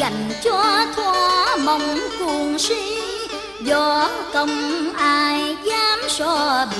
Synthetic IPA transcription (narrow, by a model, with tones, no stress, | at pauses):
a˨˩jŋ̟t͡ɕɔ˧˩t̪ʰwɔ˧˦mə˨˧˨wŋ͡mku˧˩əŋsi˧˦ | zɔ˧ | t̪ə˧wŋ͡mʔaː˧˩jzaː˧msɔ˧˩ɓ